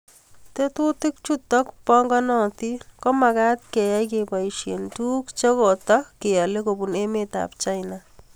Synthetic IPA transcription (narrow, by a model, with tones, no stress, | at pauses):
te˦tu˦tɪ˦k̚t͡ʃu˦tɔ˦kpɔ˦ŋɡɔ˦nɔ˨ti˦kɔ˦ma˨ka˦t̚ke˨jɛ˦jk̬e˨pa˨iʃḛ˨ntu˦kt͡ʃe˦ko˨tɔ˦kːe˨ja˨le˦ko˨bu˨ne˦me˦ta̰˨pt͡ʃa˦jna˨